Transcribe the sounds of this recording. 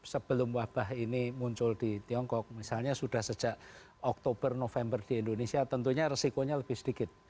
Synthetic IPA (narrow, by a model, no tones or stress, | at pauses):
səb̥əlʊmwab̥aɦinimuɲt͡ʃʊld̪̥it̪iɔŋkɔk̚misalɲasud̥a̤hsə̥ʒ̥aʔ | ɔk̚t̪ob̥ərnofɛmbərd̪̥iind̪onesiat̪ənt̪uɲaɾəsikoɲaləb̥ɪhsədikɪt̪̚